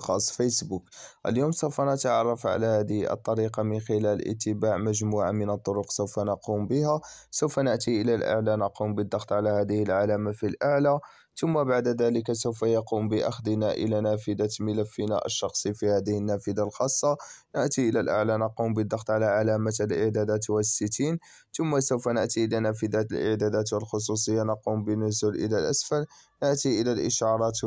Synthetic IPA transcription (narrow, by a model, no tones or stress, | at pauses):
xɑsˤːfəsbukʔə̰ljoːmsəwfanət̪ʕɑrˤːɑfʕa̰læhæd̪əʔə̰t̪ˤːɑɾiqɑmənxəlælʔə̰t̪ːəbaʕməʒmuʕa̰mənət̪ˤːoɾʊqsəwfanɑqumbəhæsəwfanəʔt̪iʔəlælʔa̰ʕlanɑqumbəd̪ːɑxt̪ˤʕalæhæd̪əhəlʕalæmafilʔaʕla | t̪ʊmːabaʕd̪ad̪æləkasəwfajɑqumbəʔa̰xd̪ənaʔə̰lænæfəd̪amələfːəna̰ʔə̰ʃːɑxsˤifihæːd̪əhənːæfəd̪alxɑsˤːɑnəʔt̪iʔəlælʔa̰ʕlanɑqumbəd̪ˤːɑxt̪ˤʕalaʕalæmaəlʔəʕd̪æd̪æt̪wəsːət̪in | t̪ʊmːasəwfanəʔt̪iʔəlænæfəd̪at̪əlʔə̰ʕd̪æd̪æt̪wəlxʊs̬ˤus̬ˤəjːanɑqumbənʊzʊlʔə̰lælʔasfæl | nəʔt̪iʔəlælʔəʃɑɾˤɑt̪